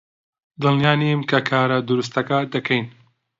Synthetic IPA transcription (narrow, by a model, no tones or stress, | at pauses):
d̪ɨlnijaːnimkʰɐkʰaːɾɐd̪ʊɾus̬t̪ɐkɐd̪ɐkʰɛjn